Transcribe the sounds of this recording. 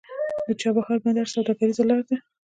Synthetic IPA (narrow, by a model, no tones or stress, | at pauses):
d̪ət͡ʃɑbaxɑɾbad̪aɾsawd̪ɑkaɾizalɑɾd̪a